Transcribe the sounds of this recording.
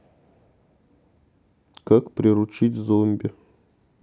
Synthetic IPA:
kakpɾʲɪɾʊt͡ɕitʲzomʲbʲɪ

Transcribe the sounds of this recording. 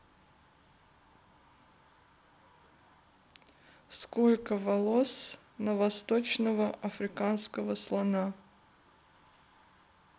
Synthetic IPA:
skolʲkəvɐlˠos | nəvɐst̪ot͡ɕnəvəʔɐfɾʲɪkanskəvəslˠɐna

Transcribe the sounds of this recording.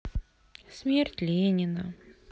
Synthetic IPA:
smʲerʲtʲlʲenʲɪnə

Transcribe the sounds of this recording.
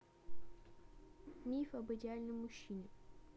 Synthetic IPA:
mʲifɐbɨdʲɪalʲnɨmmʊɕːinʲɪ

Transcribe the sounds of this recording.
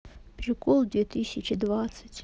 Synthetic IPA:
prʲikʰʼolˠd̪vʲet̪ʰɨsʲɪt͡ʃʰɪd̪vat̪sɨ̥tʲ

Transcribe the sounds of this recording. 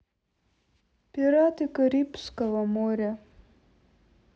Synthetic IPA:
pʲiɾat̪ɨkɐɾʲipskɔʋɐmɔɾʲɐ

